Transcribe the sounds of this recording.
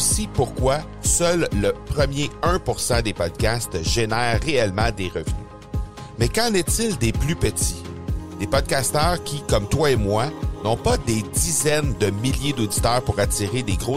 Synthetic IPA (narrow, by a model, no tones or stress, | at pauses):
sipuʁkwa | sœlːəpʁəmjeœ̃puʁsɑ̃d̪epɔd̪̚kʲast̪ʒenɛːʁːeɛlmɑ̃d̪eʁəvny̰ | mɛkɑ̃nɛt̪ɪld̪eplypət̪t͡sid̪epɔd̪̚kʲast̪œːʁkʲikɔmt̪waemwanɔ̃pʌd̪ed̪izɛnd̪əmiljed̪od̪it̪œːʁpuʁat͡siʁed̪eɡʁo